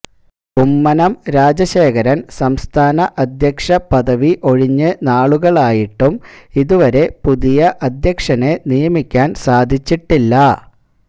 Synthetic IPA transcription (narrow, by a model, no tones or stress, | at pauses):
umːɐnɐmɾaːd͡ʑɐɕeːkɐɾɐnsɐmst̪ʰaːnɐʔɐd̪ʱjɐkʂɐpɐðɐʋiʔo̞ɻiɲːɨnaːɭuɣɐɭaːjiʈːumiðuʋɐɾe̞puðijɐʔɐd̪ʱjɐkʂɐnenijɐmikʲːaːnsaːd̪ʱit͡ɕːiʈːilːɐ